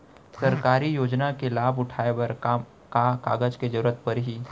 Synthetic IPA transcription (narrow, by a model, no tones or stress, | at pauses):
sɐɾkaːɾijoːd͡ʒnakelaːbʊʈʰaːeʋɐɾ | kakaːɡəd͡ʒked͡ʒɐɾuɾət̪̚pɐɾɦiː